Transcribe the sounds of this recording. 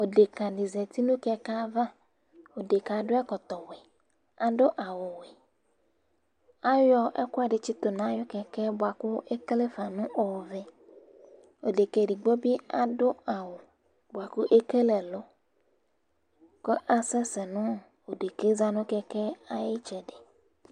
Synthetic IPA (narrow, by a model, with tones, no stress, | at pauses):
o˨ɖe˨ka˨ɖi˨zɛ˨t̪i˦nũ˦kɛ˦ka˦va˦ | wo˨ɖe˨ka˨ɖo˦a˦kɔ˨t̪ɔ˨we˨ | a˨ɖo˦ʔa˨wo˨we˨ | a˦jɔ˦ʔɛ̰˦kɔ˦a˨ɖe˨t͡ʃi˦t̪o˨nã˨˦jɔ˦kɛ˨kɛ˦bo˨a˨ku˦e˦kle˦fa˨nũ˦ʔɔ˨vɛ˦ | wo˨ɖe˨ke˦ɖi˨ɡ͡bo˦bi˦a˨ɖo˦a˨wo˨ | bo˨a˨ku˦ʔe˦ke˦le˨lo˦ | kɔ˦ʔa˦sɛ˦sɛ˨nũ˦˨ | wo˨ɖe˨ke˦za˦nũ˦kɛ˦kɛ˦a˦je˦t͡ʃɛ˨ɖe˨